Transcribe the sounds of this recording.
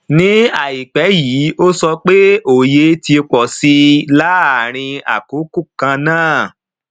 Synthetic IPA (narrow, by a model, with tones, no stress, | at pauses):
nĩ˦a˨i˨k͡pɛ˨˦jiː˨˦o˦sɔ˧k͡pe˦o˦˨je˨˦ti˧k͡pɔ˨si˧la˦a˨ɾ̃ĩ˧a̰˨ko˨˦ku˦˨kã˧nãː˦˨